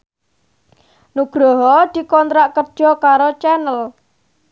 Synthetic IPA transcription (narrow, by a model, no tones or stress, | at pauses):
nuɡ̥ɾɔɦɔd̪̥i̤kɔnt̪ɾaʔkərd̥ʒ̥ɔ̤kaɾot͡ʃɛnəl